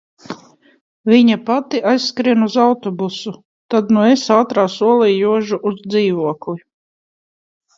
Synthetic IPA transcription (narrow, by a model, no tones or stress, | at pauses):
viɲapat̪iʔajsːkɾiɛnuzawt̪ɔbusu | t̪ad̪nuesaːt̪ɾaːsuɔlˠɛːjuɔʒuʔuzd̪ziːvuɔkli